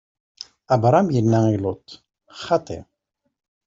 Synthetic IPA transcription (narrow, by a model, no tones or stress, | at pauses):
æbɾˤɑmjənːæilʊt̪ | χɑt̪ˤḛ